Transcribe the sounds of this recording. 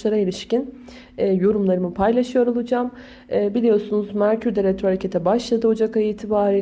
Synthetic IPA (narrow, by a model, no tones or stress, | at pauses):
lˠaɾaelʲiʃcin | ɛːjo̞ɾumlˠaɾɯmɯpʰajlˠaʃɯjo̞ɾolˠɯd͡ʒaːm | ɛːbilʲijo̞ɾsunuzmæɾcʰyɾd̪ɛɾʲɛt̪ɾohaɾecʰe̞t̪ʰɛbaʃlˠad̪ɯo̞d͡ʒakajiːt̪ʰibaːɾi